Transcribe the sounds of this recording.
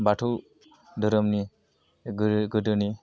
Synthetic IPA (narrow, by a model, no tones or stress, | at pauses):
batʰuw | dɯɾəmni | ɡɡɯdɯni